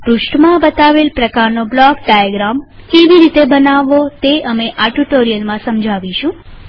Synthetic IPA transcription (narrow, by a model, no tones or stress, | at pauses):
pɾuʃʈmãbət̪aʋelpɾəkaɾnoblɔkɖajəɡɾam | keʋiɾit̪ebənaʋot̪eəmeʔaʈuʈoɾijəlmãsəmd͡ʒʱaʋiʃũ